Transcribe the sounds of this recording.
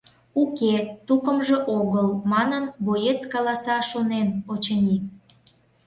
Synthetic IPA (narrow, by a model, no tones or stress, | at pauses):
uket̪ukəmʒeʔoɣəlmɑnənbojet͡skɑlɑsɑʃonenot͡ɕənʲi